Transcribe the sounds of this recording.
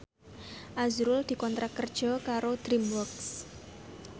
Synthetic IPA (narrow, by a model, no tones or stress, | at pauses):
ʔazɾʊld̪̥i̤kɔnt̪ɾakərd̥ʒ̥ɔ̤kaɾod̪̥ɾimwɔks